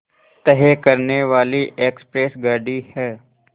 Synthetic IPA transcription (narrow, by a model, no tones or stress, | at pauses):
t̪əɦeːkəɾneʋaːliʔeːkspɾeːsɡaːɖihɛː